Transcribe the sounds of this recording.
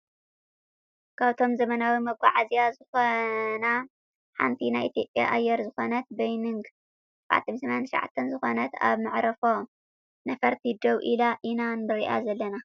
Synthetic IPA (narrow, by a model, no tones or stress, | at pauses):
kʰaβt̪ʰo̞mzɐmɐnawimɐɡʷʼaʕazijazɨxona | ħa̰nt̪ʰinajʔit̪ʰjo̞pʼja̰ʔajːɛɾzɨxo̞nɐt̪̚bɐjnɨŋɡ | ʕa̰t̪ʰːɐnsɐmɐnant̪ʃʕa̰t̪ʰːɐnzɨxo̞nɐt̪a̰βmɨʕɾɐfo̞ | nɐfɐɾt̪ʰid̪ɐwʔilaʔinanbɨɾiʔa̰zɐlːɐna